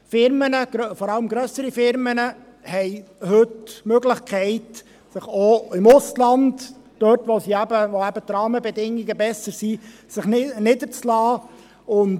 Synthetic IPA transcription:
fɪɾmənəɡ̥fɔɾɑləmɡɾœsəɾifɪɾmənə | hɛɪhɵtmøɡlɪχkʰɛɪt | sɪχoɪmʊslɑndd̥œtʋosiæbəvoæb̥ət̪ɾɑːməbɛdɪŋiɡəbɛsəɾsisɪχnɪdəɾt͡slɑː | ʊn

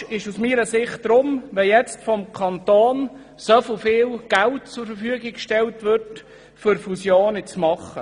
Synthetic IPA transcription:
ɪʃusmiːɾəsɪχt̚d̥ɾʊmʋɛjɛt͡stfɔmkʰɑnt̪oːn | sœflˠfɪːlɡ̥æltt͡sʊɾfəɾfyəɡɪkkʃtɛltʋʏrt | fʏɾfusjoːnɪt͡smɑχːə

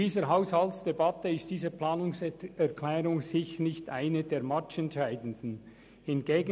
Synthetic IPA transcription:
iːzəɾɦaʊshaltsd̥ɛbɑtəɪstd̥iːzəplɑːnʊŋsɛʁkʰlɛːɾʊŋsɪçənɪçtʔaɪnədeːɾmat͡ʃɛntʃaɪdən̩dn̩ | hɪnɡ̥eːɡ

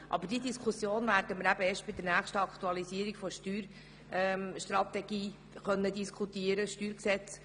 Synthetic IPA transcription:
ʔɑ̰bəd̥id̪iskʰusjoːnvæːɾd̥əməɾæbəeːʃtb̥ɪd̪əɾnæːχʃtəɑkt̪uɑlisiəɾiɡfɔʃtyːɾ | ɛʃt̪ɾɑt̪ɛɡ̥iː | χœnːəd̪iskʰut̪iəɾəʃtyːɾksɛt͡s

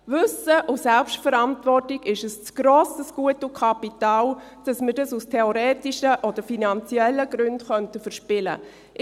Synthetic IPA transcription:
vʏsəʔʊsɛlpʃtfəɾantvɔrtɪɡɪʃəst͡sɡ̥ɾoːsəsɡ̥uətukʰɑpitaːl | d̥ɑsməɾdɑsustʰɛoɾɛːtiʃəʔɔdəfinant͡siɛlːəɡɾʉndχœntəfəɾʃpɪlə̰

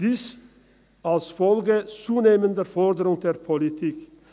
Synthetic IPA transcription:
d̥iːs | alsfɔlɡət͡suːneːmənd̪əfɔʁd̪əɾʊŋd̪eːʁpʰɔlɪt̪ʰiːk

